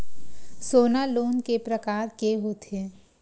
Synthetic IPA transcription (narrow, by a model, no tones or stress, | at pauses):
soːnaloːnkepɾəkaːɾkeɦoːt̪eː